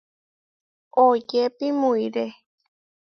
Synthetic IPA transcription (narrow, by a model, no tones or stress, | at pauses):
od͡ʒepimũiɾe